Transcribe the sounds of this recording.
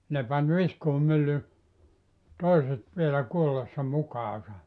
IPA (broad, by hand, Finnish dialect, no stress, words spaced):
ne pɑn ʋiskuːmylːy toiset ʋielæ kuolesːɑ mukɑːsɑ